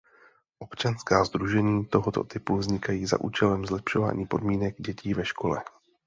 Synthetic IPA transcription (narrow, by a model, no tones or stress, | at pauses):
ʔo̞pt͡ʃanskaːzd̪ɾuʒɛɲiːt̪o̞ɦot̪o̞̰t̪ɪpuvzɲɪkajiːza̰ʔṵːt͡ʃɛlɛmzlɛpʃo̞va̰ːɲiːpo̞dmiːnɛɡɟɛcʰiːvɛʃko̞lɛ̰